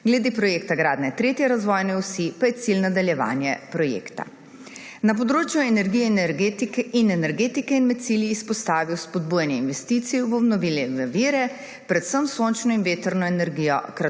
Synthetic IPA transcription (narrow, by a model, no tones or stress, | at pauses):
ɡlɛd̪eːpɾɔjeːkt̪aɡɾaːd̪nɛt̪ɾeːt̪jɛɾazʋɔjnɛusipajɛt̪silnad̪aljɛʋa̰ːnjɛpɾɔjḛːkt̪a̰ | nap̬ɔd̪ɾoːt͡ʃjuɛnɛɾɡijɛinɛɾɡet̪kinɛnɛɾɡeːt̪ikɛinmɛt̪̚siljiːspɔst̪aːʋiwspɔd̪̚buːjanjɛinʋɛst̪iːt̪sijubɔbnɔʋilɛʋəʋiːɾɛ | pɾɛt̪səmsont͡ʃnɔinʋeːt̪əɾnɔɛnɛɾɡijɔ̰kɾa